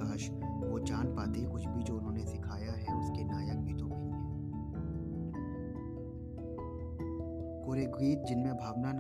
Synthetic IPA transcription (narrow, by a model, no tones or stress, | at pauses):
aːʃ | ʋoːt͡ʃaːnpaːt̪ekʊt͡ʃbʱid͡ʒoːʊnɦõːnesɪkʰaːjaɦɛʊskenaːjək̚biːt̪õkẽ | ẽː | koːɾeɡiːt̪̚d͡ʒɪnmẽbʱaːʋnan